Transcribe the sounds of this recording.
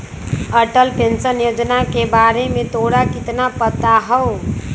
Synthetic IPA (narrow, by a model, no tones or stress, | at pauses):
əʈəlpensənjod͡ʒnakebaɾemẽt̪oɽakɪt̪napət̪aɦə